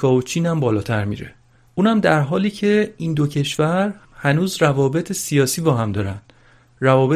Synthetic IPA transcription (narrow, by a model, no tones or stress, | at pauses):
kʰɒːot͡ʃʰiːnæmbɒːlɒːt̪ʰæɾmḭːɾḛ | ʔuːnhæmd̪æɾɦɒːliːcʰe̞iːnd̪ocʰe̞ʃvæɾhænuːzrævɒːbe̞t̪ʰesijɒːsiːbɒːɦæmd̪ɒːɾænd̪̥ | rævɒːbe